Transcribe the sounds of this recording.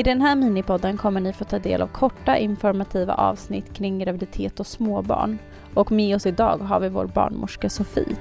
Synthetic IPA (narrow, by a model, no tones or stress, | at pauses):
ɪd̪ɛnɦæːɾmiːnɪpʰɔd̪ːənkʰɔmːəɳɪfoːt̪ʰɑːd̪ḛːla̰vkʰɔʈːaʔɪnfɔɾmat̪ʰiːva̰ʔɑ̰ːvsnɪ̰t̪ːkʰɾɪŋːɡɾavɪd̪ɪt̪ʰeːt̪ɔsmoːbɑ̰ːɳ | ɔkmeːɔsɪd̪ɑ̰ːɡɦa̰ɾvɪvo̰ːɾbɑ̰ːɳmʊ̰ʂkasʊfḭː